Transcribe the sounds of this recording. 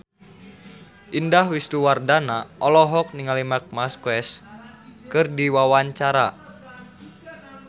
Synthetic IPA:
ʔindahwist̪uwardanaʔɔlɔɦɔk̚niŋalimak̚maskwɛs | kɨrdiwawaɲt͡ʃaɾa

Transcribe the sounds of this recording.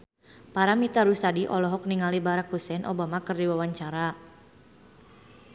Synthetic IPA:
paɾamit̪aɾust̪adiʔɔlɔɦɔk̚niŋalibaɾakhusɛnʔobamakərdiwawaɲt͡ʃaɾa

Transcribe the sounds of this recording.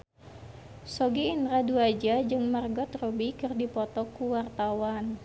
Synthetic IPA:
sɔɡiinraduad͡ʒad͡ʒɨŋmarɡɔt̪robikɨrdipɔt̪ɔkuwart̪awan

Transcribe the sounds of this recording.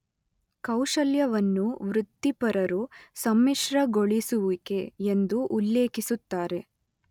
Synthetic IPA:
kɐwʂɐljɐʋɐnːuʋɾut̪ːipɐɾɐɾusɐmːiʂɾɐɡoɭisuʋuke̞ːnd̪uʔulːeːkisut̪ːaːɾe̞

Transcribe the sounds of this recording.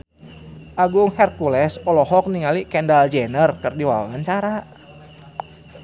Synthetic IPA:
ʔaɡʊŋhɛrkulɛsɔlɔɦɔk̚niŋalikɛndald͡ʒɛnərkɨrdiwa̰wa̰waɲt͡ʃaɾa

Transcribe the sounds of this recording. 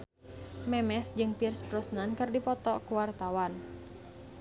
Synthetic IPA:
mɛmɛsd͡ʒɨŋpirspɾɔsnankɨrdipɔt̪ɔkuwart̪awan

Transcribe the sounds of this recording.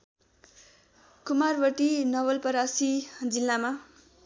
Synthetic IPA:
kumarbʌʈinʌwʌlpʌɾasid͡zilːama

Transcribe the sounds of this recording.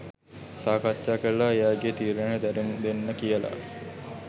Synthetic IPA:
saːkat͡ʃːaːkəɾlaejaːɡet̪iːɾeɳəd̪æɾeŋd̪enːəkijəla̰

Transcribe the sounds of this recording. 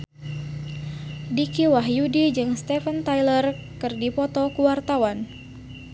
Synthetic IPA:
dikiwaɦjudid͡ʒɨŋst̪ɛfənt̪ajlərkɨrdipɔt̪ɔkuwart̪awan

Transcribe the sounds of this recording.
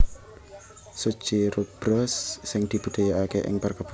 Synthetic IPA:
su̥t͡ʃiɾub̥ɾɔsːɪŋd̪̥i̤b̥ṳd̪̥a̤jaakeʔɪ̰ŋpərkəb̥

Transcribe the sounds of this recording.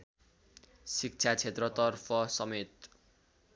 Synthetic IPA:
sik̚t͡sʰat͡sʰet̪rʌt̪ʌrpʰʌsʌmet̪

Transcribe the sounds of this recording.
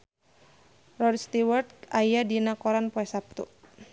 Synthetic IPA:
rɔdst̪iwərt̪̚kajadinakɔɾanpɔɛsap̚t̪ṵ

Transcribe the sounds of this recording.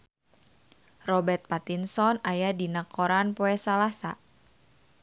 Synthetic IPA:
rɔbɛrt̪̚pat̪insɔnajadinakʰoɾanpoɛsalasa̰

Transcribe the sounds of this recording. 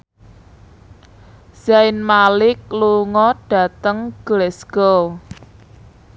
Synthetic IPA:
z̥aɪnmalɪk̚luŋɔɖ̥a̤t̪əŋɡ̥lɛsɡ̥ɔ

